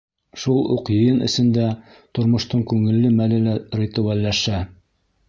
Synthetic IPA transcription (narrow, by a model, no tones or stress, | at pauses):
ʃulˠṵqjɤ̆jɤnʔɘ̰̆sɘ̆nd̪æ | t̪ŏɾmŏʃt̪ɤɴkʉŋɘ̆lːɘmælɘlæɾʲet̪uwælːæʃæ